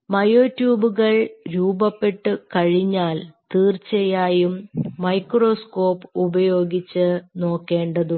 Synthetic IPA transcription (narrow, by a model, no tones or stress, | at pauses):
mɐjoːtjuːbuɣɐɭɾuːbɐpːe̞ʈːɨkɐɻiɲːaːlt̪iːrt͡ɕejaːjumːɐjkro̞ːsko̞ːpubɐjo̞ːɡit͡ɕːɨno̞ːkːe̞ːɳɖɐðu